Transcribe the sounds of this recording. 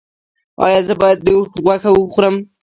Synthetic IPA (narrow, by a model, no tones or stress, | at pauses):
ɑ̰jɑzəbɑjad̪̚ːəwuxɣwaxawəxuɾəm